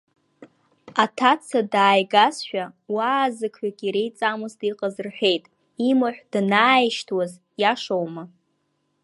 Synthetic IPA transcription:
atʰat͡sʰadaːjɡasʃᶣawaːzɨkʰħʷᶣakʲʼiɾejt͡sʼamuzdiqʼazɨrħʷᶣe̞jtʼ | imaħʷᶣd̥naːiʃtʰwaz | jaʂowma

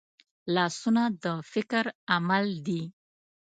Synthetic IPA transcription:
lɑsunad̪əfɪkɾamald̪i

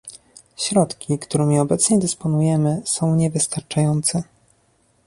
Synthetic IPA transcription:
ɕɾɔt̪kʲikt̪uɾɛmʲiɔbɛt̪sɲɛd̪ɘspɔnujɛmɘsɔ̃w̃ɲɛvɘst̪aɾt͡ʂajɔnt̪sɛ

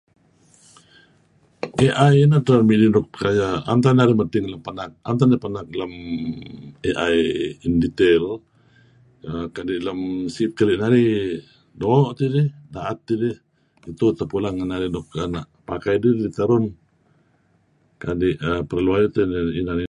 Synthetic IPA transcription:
ʔeʔajinaht̪amidinɔk̚kajaant̪anaɾimət̪ɪŋləmpanak̚ant̪adapanak̚ləm | eʔajindit̪ɛl | əkadiʔləmsit̪̚kaliʔnaɾi | dɔʔt̪idihdaʔat̪̚ːidɪh | it̪ut̪əpulaŋənaɾinɔkanaʔpakajdidit̪aɾʊn | kadiʔəpəɾluajat̪ininani

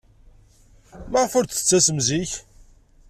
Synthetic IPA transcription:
məʁfʊɾt̪ə̥t͡sːæsəmziç

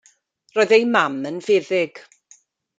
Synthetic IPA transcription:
rɔːðejmamənvɪːðɪɡ̥

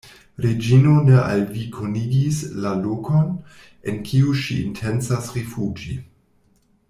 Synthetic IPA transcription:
ɾed͡ʒinoneʔalvikʰoniɡislalokon | ḛnkʰiuʃiḭntʰensasɾefud͡ʒi

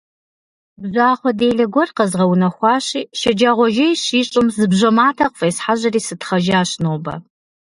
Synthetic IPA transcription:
bzaːχʷɔdeːɮɐɡʷɔrqɐzʁɐwunɐχʷɑːɕiːʃɐd͡ʒaːʁʷɔʒɐjɕiːɕʼɪmzɨbʑʷɐmaːtʰaqʼfeːsħaʒɐriːsɨtχɐʒaːɕnoːbɐ̰

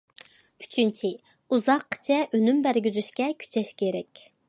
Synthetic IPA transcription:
y̥t͡ʃʰynt͡ʃʰi | uzɑqʰːə̥t͡ʃʰɛʔønymbæɾɡʲyzyʃkʲɛkʲʰy̥t͡ʃʰɛʃkʲʰeɾɛkʲ

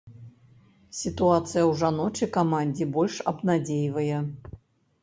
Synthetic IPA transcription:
sʲit̪uat̪sɨjɐwʐanɔt͡ʃɐjkɐmanʲdʲibɔlʲʂɐ̰bnadʲejvɐjɐ

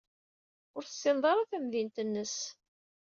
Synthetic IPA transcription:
ʊɾθə̥sːɪnðˤɑɾˤaθæmðint̪ənːəs

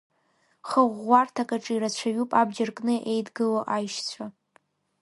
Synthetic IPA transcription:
χəʁʷːartʰakʼaʈ͡ʂʼɨiɾat͡ɕʷʰaɥupʼabd͡ʒarkʼnɨʔejdɡɨloʔajʃt͡sʷʰa

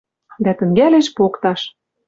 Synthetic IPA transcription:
d̪æt̪ɘ̆ŋɡæleʃpokt̪ɑʃ

